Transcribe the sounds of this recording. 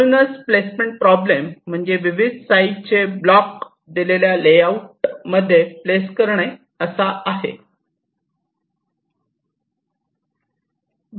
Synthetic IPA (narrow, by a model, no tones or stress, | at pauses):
nəsplesmeɳʈ̚pɾɔblem̤ːəɳd͡zeʋiʋid̪ʱsait͡ɕeblɔk | d̪ileljalejauʈməd̪ʱːjepleskəɾɳe | əsaʔaɦḛ